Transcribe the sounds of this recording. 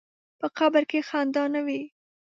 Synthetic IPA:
pəqabəɾkexand̪ɑnawi

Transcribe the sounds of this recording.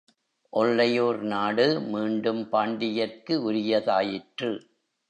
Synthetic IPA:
ʔɔɭːɐjoːɾnaːɽɯmiːɳɖɯmpaːɳɖɪjɐrkɯʊɾɪjɐðaːjɪʈrɯ

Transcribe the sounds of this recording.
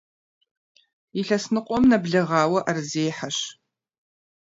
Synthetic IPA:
iɬɐsnɨqʷʼɔmnɐbɮɐʁaːwɐʔarzeːħaʃ

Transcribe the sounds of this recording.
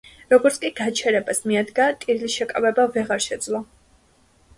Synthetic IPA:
ɾɔɡɔɾt̪sʰkʼiɡat͡ʃʰɛɾɛbasmiad̪ɡat̪ʼiɾlisʃɛkʼavɛbavɛʁaɾʃɛd̪zlˠɔ

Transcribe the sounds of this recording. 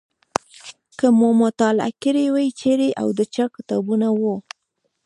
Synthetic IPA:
kəmomʊt̪ɑla̰kɪɾewajt͡ʃeɾeʔa̰wd̪ət͡ʃakt̪ɑ̰bunawo

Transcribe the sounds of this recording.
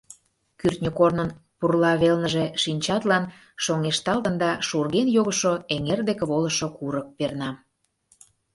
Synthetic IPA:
kyrt̪nʲəkornənpurlɑβelnəʒeʃinʲt͡ɕɑt̪lɑn | ʃoŋeʃt̪ɑlt̪ə̆nd̪ɑʃurɣenjoɣəʃoeŋerd̪ekeβolə̆ʃokuɾək̚pernɑ

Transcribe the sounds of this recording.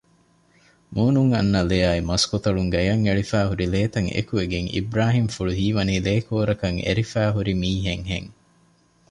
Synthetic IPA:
muːnuŋɐ̰nːɐlejaːimɐskot̪ɐɭuŋɡɐjɐŋeɭifæːɦuɾileːt̪ɐŋḛkueɡeŋḭbɾaːɦimfuɭuɦiːʋɐniːleːkoːɾɐkɐŋḛɾifæːɦuɾimiːɦeŋɦḛŋ

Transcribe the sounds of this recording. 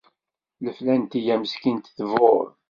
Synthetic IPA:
ləflænt̪ijæməskint̪θvoɾ

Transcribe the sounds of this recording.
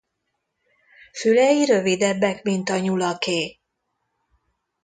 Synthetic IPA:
fylɛjiɾø̞vid̪ɛbːɛkmint̪ɒɲulɒkeː

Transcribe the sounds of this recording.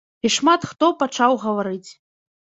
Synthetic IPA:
iʂmat̪xt̪ɔpat͡ʂawɣɐvaɾɨt͡sʲ

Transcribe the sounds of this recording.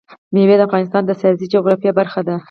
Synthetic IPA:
mewed̪əafɣɑnɪst̪ɑnd̪əsiɑzid͡ʒoɡɾɑfjabaɾxad̪a

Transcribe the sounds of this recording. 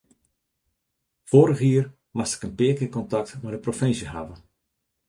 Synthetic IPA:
foːɾəxiːr | mastɪ̥kənpɪːkəkɔntɑk̚tmɛdəprofɪnsjəɦa̰və

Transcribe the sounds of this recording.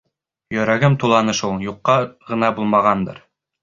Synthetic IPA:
jɵ̆ɾæɡɘmt̪ulˠɑnɤʃulˠjuqːɑʁɤ̆nɑbulˠmɑʁɑnd̪ɤ̰ɾ

